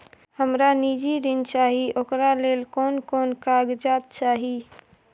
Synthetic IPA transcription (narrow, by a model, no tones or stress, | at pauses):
həmɾanid͡ʒiɾint͡ʃaɦiʔokɾalelkonkonkaɡd͡ʒat̪̚t͡ʃaɦi